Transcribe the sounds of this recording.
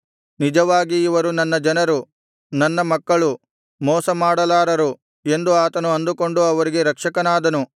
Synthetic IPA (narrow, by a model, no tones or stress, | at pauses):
nid͡ʒɐʋaːɡiːʋɐɾunɐnːɐd͡ʒɐnɐɾu | nɐnːɐmɐkːɐɭu | mɔːsɐmaːɽɐlaːɾɐɾu | e̞nd̪uaːt̪ɐnuɐnd̪uko̞ɳɖuɐʋɐɾiɡe̞ɾɐkʂɐkɐnaːd̪ɐnu